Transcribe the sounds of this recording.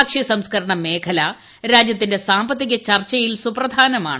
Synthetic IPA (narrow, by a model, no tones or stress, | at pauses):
kʂisɐmskɐɾɐɳɐme̞ːkʰɐla | ɾaːd͡ʑjɐt̪ːinde̞saːmbɐt̪ːiɣɐt͡ɕɐrt͡ɕːɐjilsuprɐd̪ʱaːnɐma̰ːɳɨ